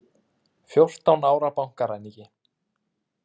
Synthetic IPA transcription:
fjowr̥t̪awnaːwɾapawŋ̥kaɾajnicɪ

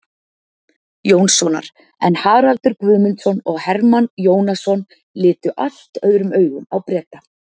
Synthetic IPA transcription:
joːwnsɔna̰ɾ̥ | ɛnhaːɾalt̪ʏɾkvʏːmɪnt̪sɔnɔɣhɛɾmanjoːwnasɔn | lɪːt̪ʏʔal̥t̪œðɾʏmœːɥɣʏmawpɾɛːt̪a

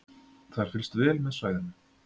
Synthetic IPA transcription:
θaɾ̥fɪlst̪vɛːlmɛðsvaːjðanːʏ

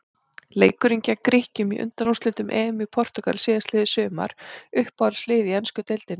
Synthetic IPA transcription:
leːjkʏɾiɲcakɾɪhcʏmiʔʏ̰nt̪anust̪lɪnt̪ʏmʔɛːmʏpʰɔr̥t̪ʏka̰lsɪːðaslɪːðɪsʏːma̰ɾ̥ʏhphalslɪːðɪɛnskʏt̪elt̪ɪnɪ

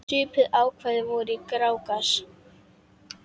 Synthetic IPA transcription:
tʏːpɪðaːwkʰvɛːðɪvɔɾikɾaːwkas

